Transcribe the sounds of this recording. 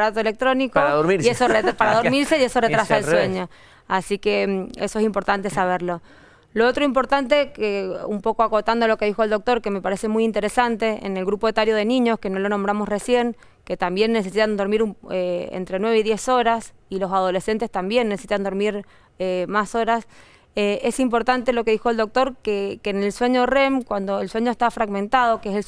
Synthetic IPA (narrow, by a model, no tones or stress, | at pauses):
ɾat̪oele̞k̚t̪ɾo̞nikoðoɾiɾiesorepaɾaðoɾmiɾseieso̞ret̪ɾasaelswe̞ɲo̞ | asikeeso̞es̬impo̞ɾt̪ant̪esaβ̞eɾlo̞ | loot̪ɾoimpo̞ɾt̪ant̪e̞keumpo̞koako̞t̪and̪olo̞ke̞ð̞ixo̞eld̪o̞k̚t̪o̞ɾke̞me̞paɾe̞se̞mujint̪e̞ɾesant̪e̞ʔḛnelɣɾupo̞et̪aɾjoð̞enĩɲo̞skeno̞lo̞nombɾamo̞sresje̞ŋ | ke̞t̪ambje̞nːes̬e̞sit̪and̪o̞ɾmiɾueḛnt̪ɾe̞nwe̞βeiðje̞so̞ɾas | ilo̞sað̞o̞le̞se̞nt̪e̞st̪ambje̞nːesesit̪and̪o̞ɾmiɾ | emaso̞ɾas | ee̞simpo̞ɾt̪ant̪e̞lo̞ke̞ðixold̪o̞k̚t̪o̞ɾkekenelswe̞ɲo̞remkwand̪o̞elswe̞ɲost̪afɾaɣmẽ̞nt̪að̞o̞keese